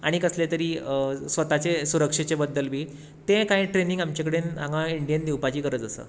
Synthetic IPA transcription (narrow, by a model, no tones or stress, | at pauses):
a̰ɽ̃ikəslet̪əɾiːsʋət̪at͡ɕesuɾəkʂet͡ɕebəd̪ːəlbʱiː | t̪ẽkaĩʈɾenĩŋɡamt͡ɕakəɽenãɡãiɳɖijənd̪iwpat͡ɕiːkəɾət͡səsə̰ː